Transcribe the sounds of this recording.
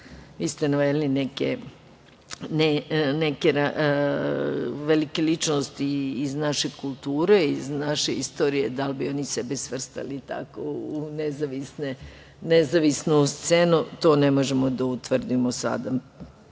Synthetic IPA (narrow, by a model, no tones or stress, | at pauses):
ʋiːst̪enaʋed̪linekḛ | nenekeɾa | ʋelikelit͡ʃnost̪iːznaʃekulˠt̪uːɾe̞iznaʃeist̪o̞ːɾijed̪albio̞nisebesʋr̩st̪a̰lit̪a̰kounezaʋisne | nezaʋisnust̪se̞nut̪o̞ːne̞mo̞ʒemod̪aut̪ʋr̩d̪imosa̰d̪a